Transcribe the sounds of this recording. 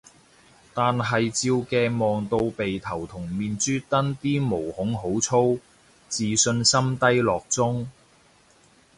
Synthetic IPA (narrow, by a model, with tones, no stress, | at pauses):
t̪aː˨nɦɐ˨jt͡siː˧wkɛː˧mɔː˨ŋt̪o˧wpe˨jt̪ʰɐ˨˩wt̪ʰʊ˨˩ŋmiː˨nt͡ʃyː˥t̪ɐ˥nt̪iː˥mo˨˩whʊ˨˥ŋɦo˨˥wt͡sʰo˥w | t͡siː˨sɵ˧nsɐ˥mt̪ɐ˥jlɔː˨k̚t͡sʊ˥ŋ